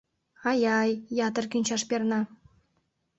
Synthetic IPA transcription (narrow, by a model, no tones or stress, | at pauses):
ɑjɑjːɑt̪ə̆rkynʲt͡ɕɑʃpernɑ